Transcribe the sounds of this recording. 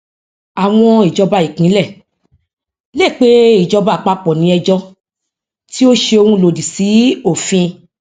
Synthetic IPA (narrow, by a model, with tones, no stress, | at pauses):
a˨w̃ɔ̃˧i˨d͡ʒɔ˧ba˧i˨kĩ˨˦lɛ˦˨ | le˦˨k͡pe˦i˨d͡ʒɔ˧ba˨k͡pa˧k͡pɔ˨nĩ˨˧˦ɛ˧d͡ʒɔ˧ | ti˦o˦ʃe˧o˧hũ˧lo˨di˨si˨˦o˦˨fĩ˧